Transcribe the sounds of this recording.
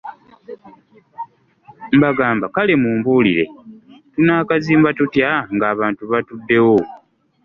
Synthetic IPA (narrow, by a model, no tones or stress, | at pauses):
mbaɡaːmbakale̞muːmbuːliɾe̞̰tunaːkaziːmbatutjaŋɡaːβaːntuβatudːe̞wo